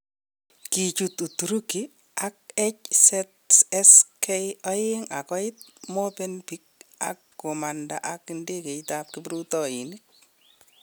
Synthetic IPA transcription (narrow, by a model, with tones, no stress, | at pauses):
ki˨t͡ʃu˨tu˨tu˨ɾu˦ki˨ | ak̚ɛ˦csɛtɛskʰɛjɔ˦jɪ˦ŋa˨kɔ˦ɪt̪̚mɔ˦pɛ˦npi˦k̚a̰˨kːo˨ma˨nda̰˨ʔa˨kɪ˨nde˦ke˨itap̚kɪ˦bɾu˦tɔ˦ɪ˨ni